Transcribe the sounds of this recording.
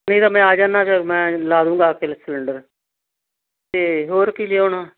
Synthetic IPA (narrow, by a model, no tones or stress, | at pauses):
nəĩːt̪aːmɛ̃ːaːd͡ʒaːnːaːt͡ʃamɛ̃ːlaːd̪ũːŋɡaːkɪlsələɳɖəɾ | t̪eːɦoːɾkiːleːoːnaː